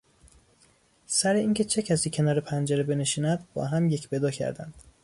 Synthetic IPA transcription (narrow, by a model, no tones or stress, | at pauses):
sæɾe̞iːncʰe̞t͡ʃʰe̞cʰæsiːcʰe̞nɒːɾe̞pʰænd͡ʒeɾebe̞ne̞ʃiːnæd̪bɒ̰ːɦæmje̞cʰbe̞d̪ɒːcʰæ̰ɾd̪æ̰nd̪̥